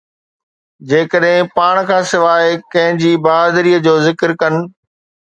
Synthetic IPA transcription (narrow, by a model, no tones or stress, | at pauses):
d͡ʑeːkəɗɦɪ̃paːɽ̃kʰãːsɪʋaːekɐ̃ɦɪ̃d͡ʑiːbaːd̪ɾiːəd͡ʑoːzɪkɾkɐnɪ̆